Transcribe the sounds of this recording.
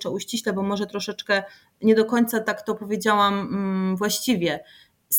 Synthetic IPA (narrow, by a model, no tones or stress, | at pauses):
t͡ʂɛuɕt͡ɕiɕlɛbɔmɔʐɛt̪ɾɔʂɛt͡ʂkɛ | ɲɛd̪ɔkɔɲt̪sat̪akt̪ɔpɔvʲjed͡ʑawamvwaɕt͡ɕivʲjɛ | s